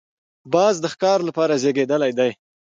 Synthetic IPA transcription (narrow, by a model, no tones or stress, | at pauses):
bɑzd̪əxkɑɾlapɑɾazeɡed̪əlajd̪aj